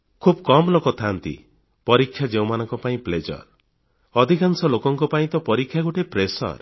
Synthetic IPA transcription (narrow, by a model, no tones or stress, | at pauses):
kʰubkɔmlokɔt̪ʰant̪ḭ | pɔɾikʰːjad͡ʒew̃manɔŋkɔpaĩpled͡ʒɔ̰ɾ | ɔd̪ʱikansɔlokɔŋkɔpaĩt̪ɔpɔɾikʰːjaɡoʈepɾesɔ̰ɾ